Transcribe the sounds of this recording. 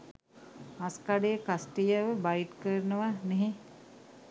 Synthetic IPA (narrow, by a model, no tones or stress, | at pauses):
askaɖejəkasʈijəʋəbajʈkəɾənəʋaneɦe